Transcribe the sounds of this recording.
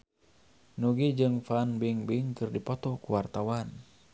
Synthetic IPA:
nuɡid͡ʒɨŋfanbiŋbiŋkɨrdipɔt̪ɔkuwart̪awan

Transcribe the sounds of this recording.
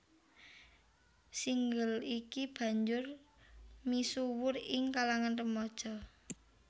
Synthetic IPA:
siŋɡəlikib̥ä̤ɲd͡ʒʊr | misuwʊrɪŋkalaŋant̪əmɔd̥ʒ̥ɔ

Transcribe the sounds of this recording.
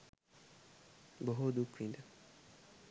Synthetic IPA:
bɔɦod̪ukʰʷĩnda

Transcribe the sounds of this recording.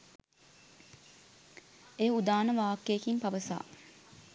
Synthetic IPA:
eːud̪aːnəʋaːkːeːkimpɐʋəsa̰ː

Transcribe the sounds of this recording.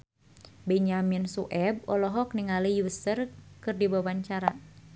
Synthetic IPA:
bɛɲaminsuʔɛb̚ɔlɔɦɔk̚niŋalijusərkɨrdibawaɲt͡ʃaɾa

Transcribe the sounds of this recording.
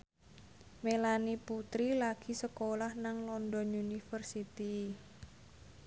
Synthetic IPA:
melaniput̪ɾilaɡ̥i̤səkolahnaŋlɔndɔnunifərsit̪i

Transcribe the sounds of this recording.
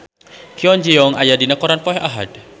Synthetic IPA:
kiɔnd͡ʒijɔŋʔajadinakɔɾanpɔɛʔaɦa̰d

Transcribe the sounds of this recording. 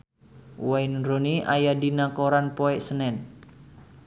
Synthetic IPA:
wainɾoniʔajadinakoɾanpɔɛʔsənɛn

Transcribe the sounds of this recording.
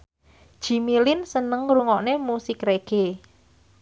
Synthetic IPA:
ʒ̥i̤milɪnsənəŋruŋɔʔnemusikreɡ̥e

